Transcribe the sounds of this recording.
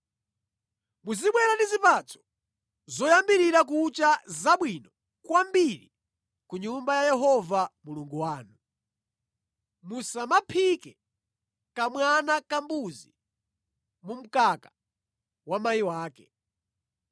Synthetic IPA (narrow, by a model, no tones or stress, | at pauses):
muziɓwɛɾandizipat͡sʰɔ̥ | zɔjambiɾiɾak̬ut͡ʃazaɓwinɔ | kwambiɾi | kuɲumbajajɛɦɔvamuluŋɡuwaːnu | musamapʰikɛ | kamwanakambuzi | mum̩kaka | wamajiwaːkɛ̰